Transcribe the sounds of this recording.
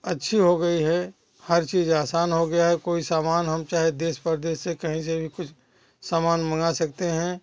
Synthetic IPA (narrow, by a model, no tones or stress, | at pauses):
ɐtːʃʰiɦoɡɐiɦɛ | həɾt͡ʃiːzaːsaːnɦoɡɐjaɦɛkoːisaːmaːnɦɐmt͡ʃaːɦed̪eːspəɾd̪eːʃːekɐɦĩs̬ebʱikʊt͡ʃʰ | saːmaːnməŋɡasɐk̚t̪eɦɛ̃